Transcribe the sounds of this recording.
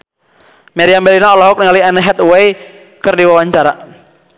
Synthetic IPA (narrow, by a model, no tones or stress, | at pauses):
maɾiambɛlinaɔlɔɦʊk̚niŋaliɛnɛɦɛt̪wej | kɨrdiwawaɲt͡ʃaɾa